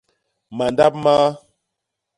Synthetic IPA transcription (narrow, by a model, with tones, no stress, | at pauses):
ma˨nda˦p̚ma˦